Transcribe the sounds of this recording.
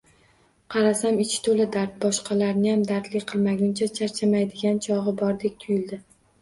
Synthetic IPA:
qʰɑɾasamɪt͡ʃʰɪ̥t̪ʰolɪd̪aɾt̪̚bɒʃqɑlaɾnɪjamd̪aɾt̪lɪqʰɨlˠmaɡʲʊnt͡ʃʰat͡ʃʰaɾt͡ʃʰamajd̪ɪɡʲant͡ʃʰɒʁɨbɒɾd̪ek̚ʲt̪ʰʊjɪld̪ɪ

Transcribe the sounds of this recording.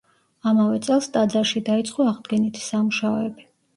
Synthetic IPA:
amavɛt̪sʼɛlˠst̪ʼad̪zaɾʃid̪ait̪sʼqʼɔaʁd̪ɡɛnit̪ʰi̥samuʃaɔɛbi

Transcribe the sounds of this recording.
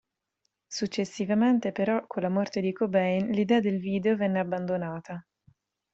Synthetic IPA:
sut͡ʃːesːivament̪epeɾɔkʰːolːamɔrt̪ed̪ikobɛjnlid̪ɛːad̪elviːd̪eovɛnːeabːand̪onaːt̪a

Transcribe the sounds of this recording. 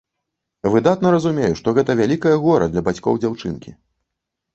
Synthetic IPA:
vɨd̪at̪nɐɾɐzumʲejuʂt̪ɔɣɛt̪ɐvʲalʲikɐjɐɣɔɾɐ̰d̪lʲɐbat͡sʲkɔ̰wd͡zʲawt͡ʂɨ̰nkʲḭ

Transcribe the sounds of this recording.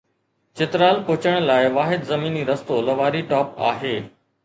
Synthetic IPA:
t͡ɕɪt̪ɾaːlpʊɪt͡ɕəɽ̃laːɪʋaːɦɪd̪zɐmiːniɾɐst̪olɐʋaːɾiʈɔːpa̰ːɦeː

